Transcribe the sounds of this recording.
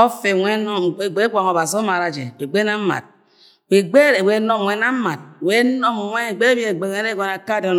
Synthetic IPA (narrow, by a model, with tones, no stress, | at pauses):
o˦fe˨ŋʷe˦no˦˨˦e˦kʷa˨ŋo˨ba˨si˨o˦ma˨ɾa˨d͡ʒḛ˨we˨ɡ͡be˦na˦m̩˦ma̰˨t̚ | we˨ɡ͡be˦ɾe˨we˨˦no˦m˨wʷe˦na˦m̩˦ma˨t̚we˦nɔ˦m˨ŋʷe˦˨ɡ͡be˦bi˦e˨ɡ͡be˨ɣe˦ɾe˦ɡo˨na˨ka˦˨do˦n